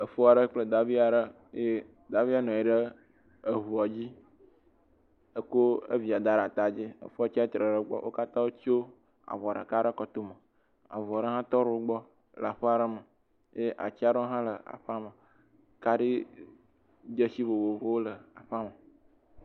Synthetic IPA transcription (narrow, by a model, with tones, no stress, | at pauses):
ə˨fo˦a˨ɖə˦k͡plə˦d̪a˨vi˦a˨ɖə˦ | e˦ | d̪a˨vi˦a˦nɔ̃˨i˨ɖə˦ | ə˨vu˨a˨d͡ʑi˦ | ə˦ko˦ḛ˦vi˨a˨d̪a˨ɖa˨t̪a˨d͡ʑi˦ə̰˨fo˦a˦t͡ɕi˦a˦t̪ɾə˨ɖə˦ɡ͡bɔ̰˦wʔo̰˦ka˦t̪ã˦wo˦t͡ʃo˦ | a̰˨vɔ˨a˨ɖə̰˨ka˦ɖə˦kɔ˦t̪o˦mə˨ | a̰˨vu˨a˨ɖə˦ɦã˦t̪ɔ˦ɾo˨wo˦ɡ͡bɔ˦ | lə˨a˨ɸə˦a˨ɖə˦mə˨ | jʔa̰˨t͡ɕi˦a˦ɖə˦o˦ɦã˦lə˨a̰˨ɸa˦mə˨ | ka˦ɖi˦ | d͡ʒə˦si˦βo˨wo˨vo˦wo˦lə˨a˨ɸa˦mə˨